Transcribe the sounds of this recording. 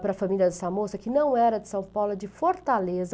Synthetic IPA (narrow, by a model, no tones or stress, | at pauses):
pɾɐfɐmiljɐd̪ɛsɐmosɐkɪnɐ̃w̃ɛɾɐd̪ɪsɐ̃w̃pawlɐd͡ʒɪfoɾt̪alezɐ